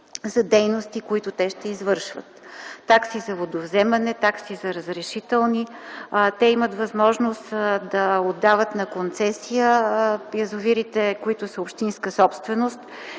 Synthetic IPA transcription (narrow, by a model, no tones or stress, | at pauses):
zɐd̪ɛjnost̪ikoit̪ʊt̪ɛʃt̪ɛizvɤɾʃvə̰t̪ːaksizɐvod̪ovzɛmɐnɛt̪aksizɐɾəzɾɛʃit̪ɛlˠnit̪ɛimət̪vɐzmɔʒnost̪d̪ɐod̪ːavət̪nɐkont̪sɛsijəjɐzʊviɾit̪ɛkoit̪ʊsəopʃt̪inskəsɔpst̪vɛnost̪